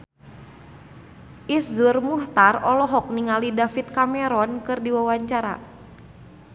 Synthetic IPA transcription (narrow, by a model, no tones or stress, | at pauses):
ʔiszʊrmuht̪arɔlɔɦɔk̚niŋalidafit̪̚kamɛɾɔnkɨrdiwawaɲt͡ʃaɾa̰